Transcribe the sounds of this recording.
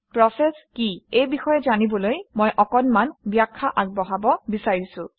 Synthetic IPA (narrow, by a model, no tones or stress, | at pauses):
pɹɔsɛskiejbixɔjɛzanibɔlojmojʔɔkɔnmanbjakʰːaʔaɡ̚bɔɦabɔbisaɹisʊ̃